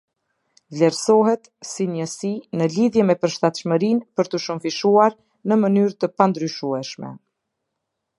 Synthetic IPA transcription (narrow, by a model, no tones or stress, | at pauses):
vlɛɾsɔɦɛt̪siɲəsinəliðjɛmɛpəɾʃt̪at̪ʃməɾinpəɾt̪əʃumfiʃuaɾ | nəmənyɾt̪əpand̪ɾyʃuɛʃmɛ̰